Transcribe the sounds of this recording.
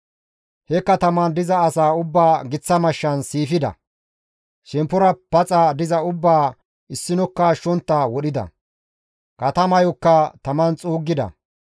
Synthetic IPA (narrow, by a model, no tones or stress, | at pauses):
hɛkːɐt̪ɐmɐnd̪ɪzɐːsaːʊbːaːɡɪt͡sːɐmɐʃːɐnsiːfɪd̪ɐ̰ | ʃɛmpʊɾɐpɐt͡sʼɐd̪ɪzɐʊbːaː | ɪsːɪnɔkːɐʃːɔnt̪ːɐwɔɗɪd̪ɐ̰ | kɐt̪ɐmɐjɔkːɐt̪ɐmɐnt͡sʼuːɡːɪd̪ɐ̰